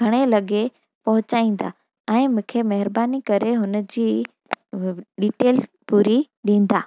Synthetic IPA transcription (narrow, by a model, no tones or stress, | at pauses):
ɡʱɐɽ̃elɐɠe | pɐɦʊt͡ɕaːĩːn̆d̪a̰ː | ɛ̃ːmʊ̃ːkʰemɐɦɪɾbaːnikɐɾeɦʊnəd͡ʑiː | ɗiːʈeːl | puːɾi | ɗĩːn̆d̪aː